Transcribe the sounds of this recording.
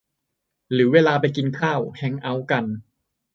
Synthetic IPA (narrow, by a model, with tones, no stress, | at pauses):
ɾɯː˩˦weː˧laː˧pa˧jki˧nkʰaː˥˩whɛ˧˩ŋʔa˧˥wka˧n